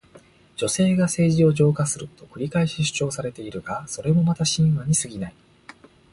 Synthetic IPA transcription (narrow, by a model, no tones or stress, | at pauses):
d͡ʑo̞se̞ːɡase̞ːʑio̞ʑo̞ːkasɨɾɯ̟t̪o̞kɯ̟ɾʲikaeɕiɕɨ̥t͡ɕo̞ːsaɾe̞t̪e̞iɾɯ̟ɡaso̞ɾe̞mo̞mat̪aɕĩɰ̃βaɲ̟isɨɡʲinai